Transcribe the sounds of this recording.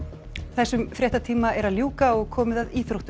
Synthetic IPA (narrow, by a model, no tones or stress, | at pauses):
θɛsːʏmfɾʲjɛht̪at̪ʰiːmaɛɾaðljuːkaɔɣkʰɔːmɪðaðiːθɾowht̪ʏ